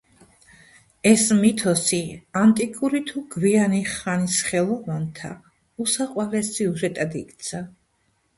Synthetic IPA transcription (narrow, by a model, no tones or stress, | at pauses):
ɛsmit̪ʰɔsiant̪ʼikʼuɾit̪ʰuɡvianiχanisχɛlˠɔvant̪ʰa̰ | usaqʼwalɛsiuʒɛt̪ʼad̪ḭkʼt̪sʰa